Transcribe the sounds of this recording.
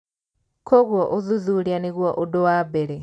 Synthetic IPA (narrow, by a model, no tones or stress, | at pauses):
kʰoɣwoʔoðuðuljaniɣwoʔodowabeɾe